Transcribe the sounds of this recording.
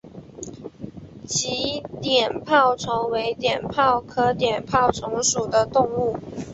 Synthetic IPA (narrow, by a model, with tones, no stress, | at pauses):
t͡ɕi˧˥t̪jɛ˨˩npʰɑ˥˩ʊt͡sʰʊ˧˥ŋwe˧˥ɪt̪jɛ˨˩npʰɑ˥˩ʊkʰɤ˧˥t̪jɛ˨˩npʰɑ˥˩ʊt͡sʰʊ˧˥ŋʂu˨˩d̪ə˦t̪ʊ˥˧ŋu˥˩